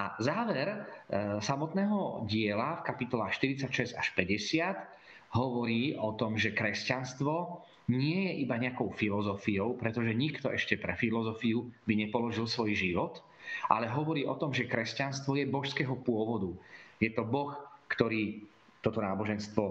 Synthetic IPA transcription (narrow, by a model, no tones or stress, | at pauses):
ʔazaːʋɛɾsamɔt̪nɛːɦɔɟɪɛlafkapit̪ɔlaxʃt̪iɾit͡sacʃɛz̥aʃpɛɟɛsɪat̪ | ɦɔʋɔɾiːɔt̪ɔmʒɛkɾɛscanst̪ʋɔ | ɲɪɛjɛʔibaɲɛakɔʊfilɔzɔfijɔʊpɾɛt̪ɔʒɛɲikt̪ɔʔɛʃcɛpɾɛfilɔzɔfiubiɲɛpɔlɔʒilsʋɔjʒiʋɔt̪ | ʔa̰lɛɦɔʋɔɾiːʔɔt̪ɔmʒɛkɾɛscanst̪ʋɔjɛbɔʃskɛːɦɔpʊɔʋɔd̪ujɛt̪ɔbɔxkt̪ɔɾiː | t̪ɔt̪ɔnaːbɔʒɛnst̪ʋɔ